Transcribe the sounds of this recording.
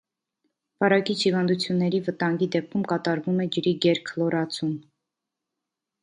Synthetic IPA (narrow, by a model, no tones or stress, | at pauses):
vɑɾɑkit͡ʃʰivɑnd̪ut͡sʰjunːɛɾivət̪ɑŋɡid̪ɛp̚kʰumkɑt̪ɑɾvumɛd͡ʒəɾiɡɛɾkʰlɔɾɑt͡sʰum